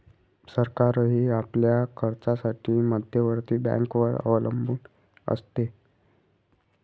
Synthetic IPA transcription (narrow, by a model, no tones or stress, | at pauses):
səɾkaɾɦiːapljakʰəɾt͡sasaʈʰiːməd̪ʱjəʋəɾt̪iːbã̰ŋkʋəɾə̰ʋləmbʱuːn | ə̰st̪e